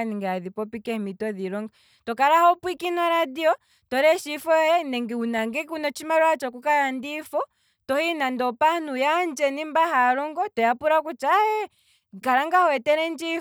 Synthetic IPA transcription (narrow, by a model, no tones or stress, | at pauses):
niŋɡaaðipɔpikɛhmitɔðiɾɔŋɡa | tɔkaɾahɔpwikinaɾadiɔ | tɔɾɛʃifɔɔjɛnɛŋɡɛunaŋɡɛkunɔt͡ʃimaɾɔat͡ʃɔkukaɾandifɔ | tɔhinandɔpanujand͡ʒɛnimbaɦaɾɔŋɡɔtɔjapuɾakut͡ʃaɛ | kaɾaŋɡahɔɛtɛɾɛnd͡ʒi